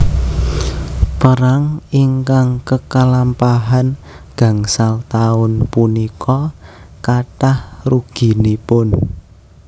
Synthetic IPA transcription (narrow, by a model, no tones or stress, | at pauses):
pəɾaŋiŋkaŋkəkalampaɦan | ɡ̥ä̤ŋsalt̪aʊnpunikʰɔkaʈahruɡ̥i̤nipʊn